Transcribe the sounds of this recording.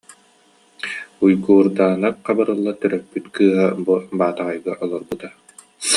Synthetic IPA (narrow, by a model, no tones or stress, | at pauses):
ujɡuːɾd̪aːnakqabaɾɯlˠːat̪yɾœk̚pːyt̪kɯːɦabubaːt̪aʁajɡaʔɔlˠɔɾbut̪a